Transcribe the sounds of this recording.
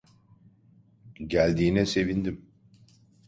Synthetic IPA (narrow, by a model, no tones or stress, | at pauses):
ɟælʲd̪iːnɛse̞vind̪im